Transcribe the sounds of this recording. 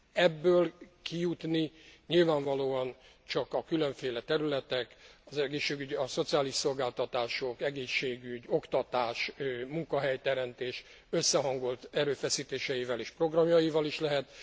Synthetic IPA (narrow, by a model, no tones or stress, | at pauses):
ɛbːøːlkijut̪niɲilvaːɱvɒloːɒn | t͡ʃɒkɒkyløɱfeːlɛt̪ɛɾylɛt̪ɛkɒzɛɡeːʃːeːɡyɟɒso̞t̪sijaːliʃso̞lɡaːlt̪ɒt̪aːʃokɛɡeːʃːeːɡyɟo̞kt̪ɒt̪aːʃmuŋkɒɦɛjt̪ɛɾɛmt̪eːʃ | øsːɛɦɒŋɡo̞lt̪ɛɾøːfɛsiːt̪eːʃɛjivɛleːʃpro̞ɡrɒmjɒjivɒliʃlɛɦɛt̪